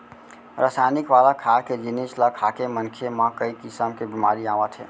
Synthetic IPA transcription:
ɾasajnikʋalakʰaked͡ʒinesləkʰːakemənkʰemə̃kəikisəmkebimaɾiaʋət̪ɦɛ̰ː

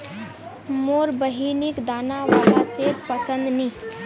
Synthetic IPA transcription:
moːɾbəɦinikd̪aːnaʋaːlasepəsə̃nd̪ni

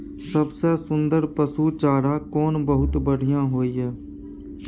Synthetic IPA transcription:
səbsesʊ̃nd̪əɾpəsut͡ʃaːɽakɔːnbəɦʊt̪bəɽ̤ʱɪjãɦoːiɦɛː

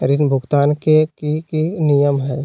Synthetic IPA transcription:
ɾɪnbʱʊɡt̪aːnkekikinijəmɦɛː

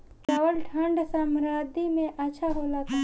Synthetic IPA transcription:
kɐʋəlʈʰə̃ɳɖsamɾaːd̪imẽʔɐtːʃʰaɦolat̪a

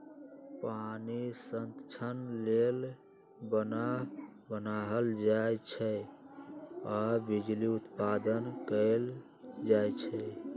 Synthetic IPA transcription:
panisənt̪t͡ʃʰənlel | bənabənaɦəld͡ʒajt͡ʃʰɛ | abid͡ʒliut̪pad̪ənkəl | d͡ʒajt͡ʃʰɛ

